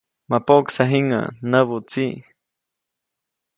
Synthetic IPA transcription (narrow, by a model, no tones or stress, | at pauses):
mapoksaɦiŋə̰nəβut͡si